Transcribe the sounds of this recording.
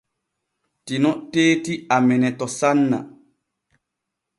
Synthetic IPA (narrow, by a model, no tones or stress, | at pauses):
tinɔteːtiamɛnɛtɔsanːa̰